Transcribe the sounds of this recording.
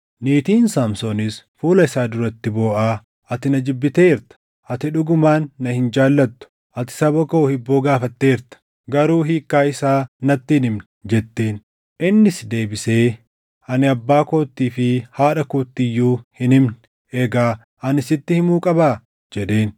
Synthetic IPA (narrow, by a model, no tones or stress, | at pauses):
niːt̪iːnsaːmsoːnɪsfuːlɐɪsaːd̪ʊɾɐt̪ːɪbo̞ːʔaː | ʔɐt̪ɪnɐd͡ʒɪbːɪt̪e̞ːɪɾt̪ɐ̥ | ʔɐt̪ɪᶑʊɡʊmaːnːɐhɪnd͡ʒaːlːɐt̪ːʊ̥ | ʔɐt̪ɪ̥sɐbɐko̞ːhɪbːoːɡaːfɐt̪ːe̞ːɪɾt̪ɐ̥ | ɡɐɾuːɦiːkːaːɪsaːnɐt̪ːiːnɪmnɛd͡ʒɛt̪ːe̞ːn | ʔɪnːɪsd̪e̞ːbɪseː | ɐnɪɐbːaːko̞ːt̪ːiːfɪhaːᶑɐkoːt̪ːɪjːuːhɪnɪmnɪ | ʔɛɡaː | ʔɐnɪsɪt̪ːɪhɪmuːkʼɐbaː | d͡ʒɛᶑe̞ːn